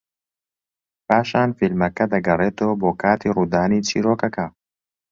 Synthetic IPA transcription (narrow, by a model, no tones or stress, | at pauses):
pʰaːʃaːnfilmɐkɐd̪ɐɡɐreːt̪oːboːkʰaːt̪ʰiːruːd̪aːniːt͡ʃʰiːɾoːkɐkɐ